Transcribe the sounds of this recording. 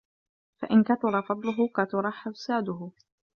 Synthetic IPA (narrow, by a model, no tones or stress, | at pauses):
fa̰ʔɪnkat̪ʊɾˤɑfɑd̪ˤlʊɦʊkat̪ʊɾˤɑħafsaːd̪ʊɦʊ